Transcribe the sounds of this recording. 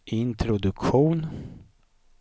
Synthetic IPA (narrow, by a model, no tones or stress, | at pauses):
ɪnt̪ʰɾʊd̪ɵkɧuːn